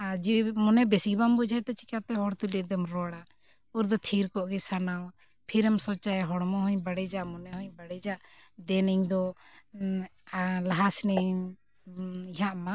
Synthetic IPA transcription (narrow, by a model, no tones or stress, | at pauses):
ad͡ʒimɔnɛbɛsibambud͡ʒʱajt̪ɛt͡ʃi̥kat̪ɛɦɔɽt̪uliʔd̪ɛmɾɔɽa | uɾd̪ɔt̪ʰiɾkɔʔɡɛsanaw | pʰiɾɛmsɔt͡ʃajɦɔɽmɔɦɔɲbaɽɛd͡ʒaʔmɔnɛhɔɲbaɽɛd͡ʒaʔd̪ɛniɲd̪ɔ | laɦasnɛ | iɦaʔma